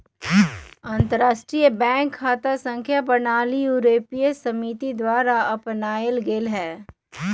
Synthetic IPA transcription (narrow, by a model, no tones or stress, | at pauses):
ɐ̃nt̪əɾaːʃʈɾijəbɛ̃ːŋkʰːaːt̪asə̃ŋkʰjapɐnaːlijuːɾeːpiesɐmit̪id̪waːɾaɐpnaːəlɡelɦɛː